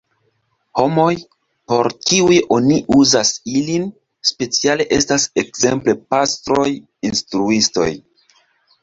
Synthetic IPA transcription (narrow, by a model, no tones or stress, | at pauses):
ho̞mo̞j | po̞ɾkiujʔo̞niʔuzasilin | spe̞t͡siale̞ʔe̞stase̞kze̞̰mple̞pastɾo̞j | instɾuisto̞̰j